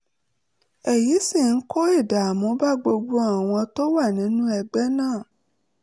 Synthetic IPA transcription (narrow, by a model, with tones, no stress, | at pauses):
ɛ˨ji˨˦si˦˨n̩˦kɔ˦e˦˨da˨mõ˨˦ba˦ɡ͡bo˧ɡ͡bu˦a˦˨w̃ɔ̃˧to˦wa˦˨nĩ˨˦nũ˦ɛ˧ɡ͡bɛ˦nãː˦˨